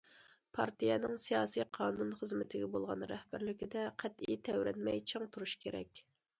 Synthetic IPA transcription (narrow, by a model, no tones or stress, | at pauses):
pʰɑ̰ɾt̪ijɛnɪŋsijɑːsijqʰɑːnunχəzmɪt̪ʰɪɡʲɛbolˠʁɑnɾɛhbæɾlɪkʲid̪ɛqʰæt̪ijɛt̪ʰɛwɾɛnmɛjt͡ʃʰɑŋt̪ʰuɾuʃkʲʰeɾɛ̰kʲ